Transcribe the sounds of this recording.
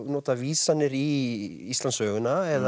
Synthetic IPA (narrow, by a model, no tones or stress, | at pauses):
nɔːt̪aviːsanːɪɾi | ist̪lansœːɣʏnaɛð